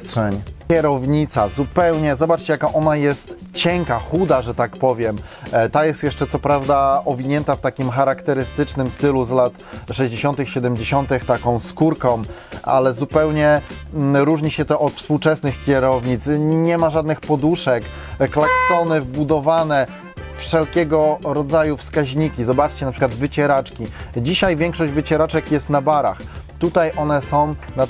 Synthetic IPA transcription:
tʂɛɲkɛɾɔvɲit̪sazupɛwɲɛzɔbat͡ʂt͡ɕɛjakaʔɔnajɛst̪ | t͡ɕɛŋkaxud̪aʐɛt̪akpɔvʲjɛm | t̪ajɛst̪jɛʂt͡ʂɛt̪sɔpɾavd̪aʔɔvʲiɲɛnt̪aft̪akʲimxaɾakt̪ɛɾɘst̪ɘt͡ʂnɘmst̪ɘluzlat̪ʂɛʑd͡ʑeɕɔnt̪ɘxɕɛd̪ɛmd͡ʑeɕɔnt̪ɘxt̪akɔ̃w̃skuɾkɔ̃w̃a̰lɛzupɛwɲɛ | ɾuʐɲiɕɛt̪ɔʔɔt̪fspuwt͡ʂɛsnɘxkʲɛɾɔvɲit̪sɲɛmaʐad̪nɘxpɔd̪uʂɛk | klaksɔnɘvbud̪ɔvanɛ | fʂɛlkʲɛɡɔɾɔd̪zajufskaʑɲikʲizɔbat͡ʂt͡ɕɛnapʂɘ̥kwad̪vɘt͡ɕɛɾat͡ʂkʲid͡ʑiɕajvʲjɛ̃ŋkʂɔʑd͡ʑvɘt͡ɕɛɾat͡ʂɛkjɛst̪nabaɾa̰xt̪ut̪ajʔɔnɛsɔ̃w̃na

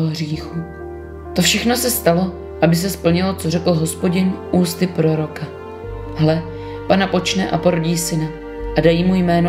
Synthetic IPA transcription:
ɦriːxu | t̪ofʃɛxno̞sɛst̪alo̞ | ʔabɪs̬ɛspl̩ɲɪlo̞t͡so̞rɛkl̩ɦo̞spo̞ɟɪnʔuːst̪ɪpɾo̞ɾo̞ka | hɦlɛ | panapo̞t͡ʃnɛʔa̰po̞ɾoɟiːsɪna | ʔadajiːmujmɛːno

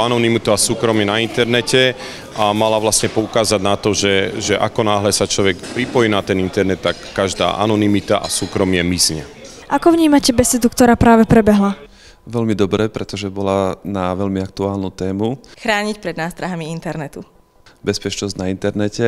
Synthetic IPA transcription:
anɔnimit̪uasuːkɾɔmɪɛnaint̪ɛɾnɛcɛ | ʔamalaʋlasɲɛpɔukaːzaɟnat̪ɔʒɛʒɛʔa̰kɔnaːɦlɛsat͡ʃlɔʋɛkpɾipɔjinat̪ɛnint̪ɛɾnɛt̪ːakːaʒd̪a̰ːʔa̰nɔnimit̪a̰ʔasuːkɾɔmɪɛmisɲɛ̰ | ʔakɔvɲiːmacɛbɛsɛt̪ukt̪ɔɾaːpɾaːʋɛpɾɛbɛɦla | ʋɛlmid̪ɔbɾɛpɾɛt̪ɔʒɛbɔlanaʋɛlmiak̚t̪uaːlnuːt̪ɛːmuxɾaːɲicpɾɛd̪naːst̪ɾaɦamiint̪ɛɾnɛt̪u | bɛspɛt͡ʃnɔzɟnaint̪ɛɾnɛcɛ

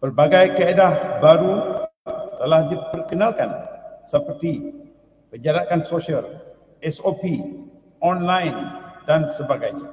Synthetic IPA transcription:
pərbaɡajkaedahbaɾu | t̪əlahdipərkənalkansəpərt̪i | kəd͡ʒaɾakansosiəl | ɛsopi | ɔnlajndansəbaɡajɲã

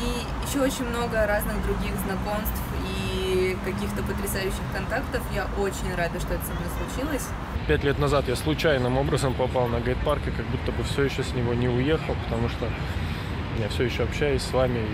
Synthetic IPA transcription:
i | jɪɕːoot͡ɕɪnʲmno̞ɡəɾaznɨɣd̪ɾʊɡʲiɣznɐko̞mst̪fikɐkʲixt̪əpət̪ɾʲɪsajʉɕːɪxkɐnt̪akt̪əfjaʔot͡ɕɪnʲravʲʊʂt̪o̞ɛt̪əsɐmnʲeslˠʊt͡ɕilˠəsʲ | pʲætʲlʲet̪nɐzat̪jaslˠʊt͡ɕæjnɨmo̞bɾəzəmpɐpalˠnəɡɐjt̪̚parkʲɪkɐɡ̚but̪ːəbɨfsʲɵjɪɕːosʲnʲɪvonʲɪʊjexəlˠpə̥t̪ɐmuʂt̪o | mʲɪnʲafsʲɵjɪɕːoɐpɕːæjɪsʲsvamʲɪ

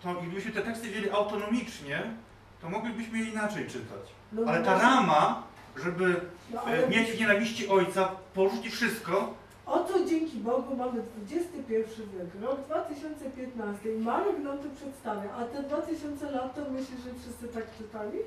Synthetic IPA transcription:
t̪ɔjɡlʲibɘɕmɘt̪ɛt̪ɛkst̪ɘvʲid͡ʑeiʔawt̪ɔnɔmʲit͡ʂɲɛ | t̪ɔmɔɡlʲibɘɕmɘjɛinat͡ʂɛjt͡ʂɘt̪a̰t͡ɕ | nɔalɛt̪aɾama | ʐɛbɘnɔaɛmjed͡ʑvɲɛnavʲiɕt͡ɕiʔɔjt̪sapɔʐut͡ɕifʂɘst̪̚kɔ | ʔɔt̪ɔd͡ʑeŋkʲibɔɡumamɘd̪vud͡ʑɛst̪ɘpʲjɛɾfʂɘvʲjɛkɾɔɡd̪vat̪ɘɕɔnt̪sɛpʲjɛt̪nast̪ɘimamɛɡlɔnt̪ɘpʂɛt̪st̪avʲjaʔat̪ɛd̪vat̪ɘɕɔnt̪sɛlat̪ːamɘɕlɛʐɛfʂɨst̪sɘt̪akt͡ʂɘt̪alʲi

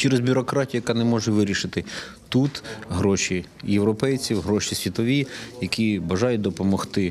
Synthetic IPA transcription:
t͡ʃɛɾɛzbʲʊɾɔkɾɑtʲijʊjɐkɑnɛmɔʒɛʋɪɾʲiʃɪt̪ɪ | t̪ut̪ɦɾɔʃi | jewɾɔpɛjt͡sʲiwɦɾɔʃisʲʋʲit̪ɔʋʲijɐkʲibɐʒɑjʊd̪ɔpɔmɔxt̪ɪ

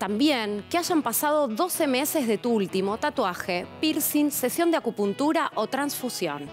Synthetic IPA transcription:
t̪ambjeŋkeaʒampasað̞o̞ðo̞se̞me̞se̞zðet̪uult̪imo̞t̪at̪waxepiɾsinse̞sjo̞nd̪eakupunt̪uɾaʔot̪ɾansfusjo̞̰n

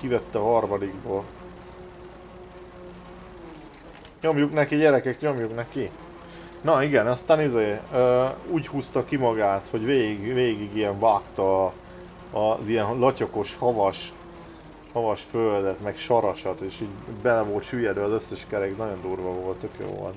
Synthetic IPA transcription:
kivɛt̪ːɛɒɦɒrmɒd̪iɡboːl | ɲomjuknɛkiɟɛɾɛkɛkt̪ɲo̞mjuknɛkːi | nɒiɡɛnɒst̪aːnizeːøːuːchuːst̪ɒkimɒɡaːt̪ho̞ɟveːiɡveːɡiɡijɛɱvaːkt̪ɒː | zijɛnlɒco̞ko̞ʃhɒvɒʃ | hɒvɒʃføld̪ɛt̪mɛkʃɒɾɒʃɒt̪eːʃiːɟbɛlːɛvo̞lt̪ʃyːjɛd̪ɛɒzø̞sːɛʃkɛɾɛɡnɒɟo̞nd̪uːrʋɒvo̞lt̪t̪økjo̰ːvo̰lt̪

